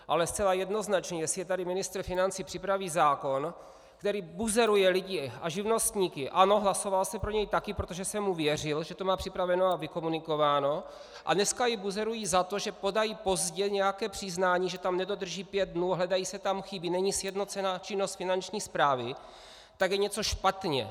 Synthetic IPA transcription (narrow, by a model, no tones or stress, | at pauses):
ʔa̰lɛst͡sɛlajɛdno̞znat͡ʃɲɛjɛsɪjɛt̪adɪmɪnɪst̪r̩fɪnant͡sipr̥ɪpɾaviːzaːko̞n | kt̪ɛɾiːbuzɛɾujɛlɪɟɪaʒɪvno̞st̪ɲiːkɪʔano̞ɦlaso̞valsɛpɾo̞ɲɛjt̪akɪpɾo̞t̪o̞ʒɛsɛmːuvjɛr̝ɪlʒɛt̪o̞maːpr̥ɪpɾavɛnoavɪko̞munɪko̞vaːno̞ | ʔa̰dnɛskajɪbuzɛɾujizat̪o̞ʒɛpo̞dajipo̞zɟɛɲɛjakɛːpr̥ɪznaːɲiːʒɛt̪amnɛdo̞d̪r̩ʒiːpjɛd̪̚dnuːaɦlɛdajisɛt̪amxɪbinɛɲisjɛdno̞t͡sɛnaːt͡ʃɪno̞st̪fɪnant͡ʃɲiːspɾaːvɪ | t̪aɡjɛɲɛt͡soʃpat̪ɲɛ̰